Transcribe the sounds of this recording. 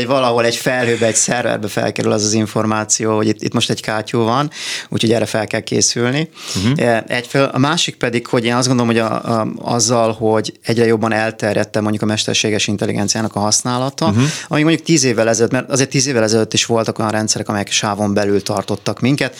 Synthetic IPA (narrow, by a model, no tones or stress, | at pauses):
vɒlɒɦo̞lɛɟfɛlɦøːbɛːcsɛrvɛ̰rbɛfɛ̰lkɛɾylɛzɒziɱfo̞rmaːt̪sijoːhoɟit̪ːḭt̪mo̞ʃt̪ɛɟkaːcuːvɒnṵːcʰho̞ɟɛrːɛfɛlkɛlkḛːsylni | ɛcfelʔɒ̰maːʃik̚pɛd̪ikho̞ɟeːnɒzɡo̞nd̪oomɦoɟ̰ɒ̰zːɒlho̞ɟɛɟrɛjo̞bːɒnɛlt̪ɛrjɛ̰t̪ːɛmo̞ɲɟukɒmɛʃt̪ɛ̰rʃeːɡɛʃint̪ɛlːḭɡɛ̰nt̪sijaːnɒkɒɦɒsnaːlɒt̪ɒɒmikmoɲɟukt̪iːzeːvːɛlɛzɛløːt̪mɛrɒzeːrt̪ːiːzeːvːɛlɛzɛløt̪ːiʃʋo̞lt̪ɒko̞jɒnrɛnt̪sɛɾɛkɒmɛjɛkʃaːvo̞mbɛlylt̪ɒrt̪o̞t̪ːɒkmiŋkɛt̪